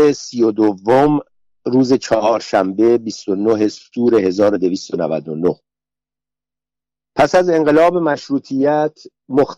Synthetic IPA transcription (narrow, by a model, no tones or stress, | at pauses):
esijod̪ovːom | ɾuːze̞t͡ʃʰɒɦɒːɾʃæmbe̞bist̪o̞noɦe̞st̪uːɾe̞he̞zɒːɾo̞d̪e̞viːst̪onæ̰væ̰d̪o̞noh | pʰæsæze̞ŋɢe̞lɒːbemæʃɾuːt̪ʰijæt̪ʰ | mox